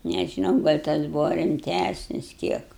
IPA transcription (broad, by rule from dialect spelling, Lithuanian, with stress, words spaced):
nʲɛʒʲɪˈnɐʊ ɡɐlʲ ˈtɐs ˈbuːʋɐ rʲɪmʲˈtʲæsʲnʲɪs ˈkʲiɛk